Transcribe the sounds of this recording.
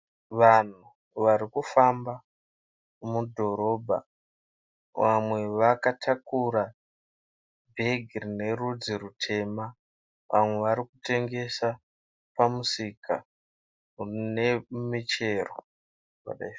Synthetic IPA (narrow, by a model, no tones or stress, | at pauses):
ʋan̤u | ʋaɾikufamba | mudʱo̞ɾo̞ːbʱa̰ | ʋamwe̞ʋakatʰakuɾa | bʱe̞ɡʱirine̞rud͡ziɾutʰe̞ːma | ʋʔa̰mwe̞ʋaɾikute̞ŋɡe̞sa | pamusika | urinemit͡ʃe̞ro̰ | pa̰ɗa̰if